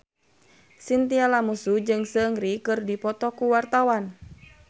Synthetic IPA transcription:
sint̪ialamusud͡ʒɨŋsəŋɾikɨrdipɔt̪ɔkuwart̪awan

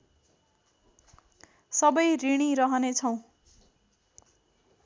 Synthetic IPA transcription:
sʌbʌjriɽ̃iɾʌɦʌnet͡sʰʌw̃

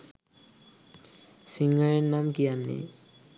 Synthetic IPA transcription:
siŋːaɹɛnamkijanːḭ

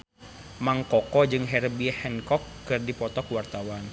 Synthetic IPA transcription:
maŋkɔkɔd͡ʒɨŋɦɛrbihɛnkɔkːɨrdipɔt̪ɔkuwart̪awan

